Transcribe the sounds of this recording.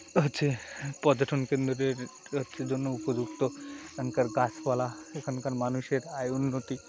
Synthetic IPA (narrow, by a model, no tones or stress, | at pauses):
ɦotːɕʰepɔd͡ʑaʈʰonkend̪ɾeɾ | ɦotːʃʰed͡ʑonːoupod͡ʑukt̪oekʰɔnkaɾɡaspalaekʰankaɾmanuʃeɾajunːot̪i